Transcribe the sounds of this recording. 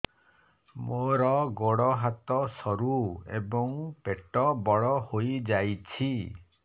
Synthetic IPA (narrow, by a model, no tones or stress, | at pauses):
moɾɔɡoɽɔɦat̪ɔsɔɾuḛbɔŋpeʈɔbɔɭɔhojd͡ʒajt͡ʃʰi